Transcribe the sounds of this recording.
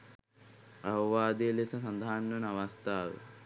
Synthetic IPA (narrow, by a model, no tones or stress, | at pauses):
ɐʋɐʋaːd̪iːlisɐsɐnd̪ʱaːnːɐnɐʋɐst̪ʰaːʋṵ